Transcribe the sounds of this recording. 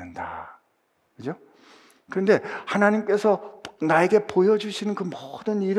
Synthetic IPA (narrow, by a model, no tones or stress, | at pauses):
ɯnda̰ | kɯd͡ʑo | kɯɾʌnde̞hanaɲimk͈e̞sʰʌnae̞ɡe̞pojʌd͡ʑuɕʰinɯnkɯmʌdɯniɾ